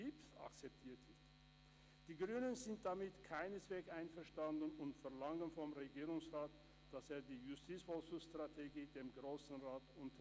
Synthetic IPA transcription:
ipsa̰kt͡sɛp̚tʰiːɐtʰɪç | d̥iːɡʁyːnənzɪnt̚d̥amɪtkʰaɪnəsv̥ɛːksʔaɪnfɛɐʃtandn̩ʊntfɛɐlaŋənfɔmʁeɡiːʁʊŋsʁaːt | d̥aseːɐdiːjʊstʰiːt͡sfɔlsʊstʁ̥atʰeɡiːdeːmɡʁoːsn̩ʁaːtʔʊntʰɐ

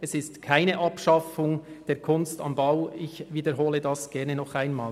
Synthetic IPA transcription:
ɛsɪstkʰaɪnəʔɑpʃɑfʊŋd̥eːɐkʰʊnstɑ̰mbaʊɪçviːdəɾɦoːlədɑsɡ̥ɛɐnənɔχaɪnmaː

